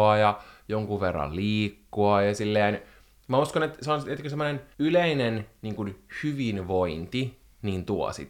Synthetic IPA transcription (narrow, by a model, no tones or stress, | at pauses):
ɑjɑjoŋkuʋʋerːɑ̰lliːkːuɑjɑsilːeːn | mæuskonet̪seonset̪køsemːonenyleinenniːŋkunhyʋinʋoint̪i | niːnt̪uɔ̰sḭt̪